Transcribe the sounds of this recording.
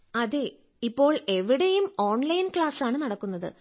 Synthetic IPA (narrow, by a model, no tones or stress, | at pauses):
ɐðe | ipːo̞ːɭe̞ʋiɽejumo̞ːɳlɐjnkɭaːsaːɳɨnɐɽɐkːunːɐðɨ̰